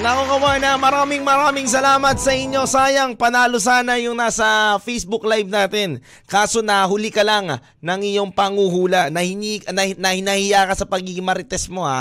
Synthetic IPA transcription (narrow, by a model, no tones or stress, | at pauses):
nɐkokɐwanɐmɐɾaːmɪŋmɐɾaːmɪŋs̬ɐlaːmɐt̪̚sɐʔɪɲjo̞saːjɐŋpɐnaːlo̞saːnɐjʊŋnaːsɐfɛjsbʊklajb̚naːt̪ɪn | kaːso̞nɐɦʊlikɐlaŋ | nɐŋɪɲo̞ŋpɐŋuhuːlɐnɐhɪniknɐnɐhɪnɐhɪjaːkɐsɐpɐɡiɡɪŋmɐɾɪt̪ɛsmo̞ha̰